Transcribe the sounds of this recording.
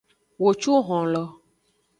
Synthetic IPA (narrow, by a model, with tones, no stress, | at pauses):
wo˨t͡ʃu˦ɣɔ̃˨lɔ˨